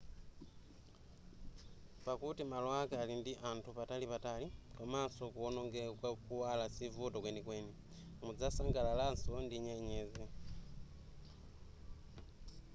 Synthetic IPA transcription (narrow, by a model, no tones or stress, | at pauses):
pakutimalwakaːlindiʔantʰupatalipatalikamasokuonoŋɡekwakuwalasivutokwenikweni | mud͡zasaŋɡalalansondiɲeɲeze